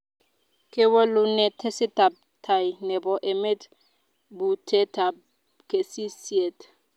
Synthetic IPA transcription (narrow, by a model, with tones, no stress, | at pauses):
kʼɪ˦wɛ˦lʊ˦nɛ˨tʰɛ˦sɪ˦tʼa˨p̚tʰa˨i˨nɛ˨bɔ˨ʔe˨me˦t | bu˨tʰɛ˦tʰa˨ | kʼe˨si˦si˦e˦˨tʰʼ